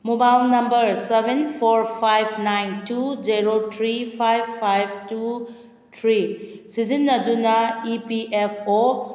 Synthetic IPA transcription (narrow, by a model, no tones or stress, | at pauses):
mobajlnɐmbəɾsebʱenpʰoɾpʰajbnajntud͡ʒeɾotʰɾipʰajbʰajbtu | tʰɾisizinːɐdunɐipiepʰo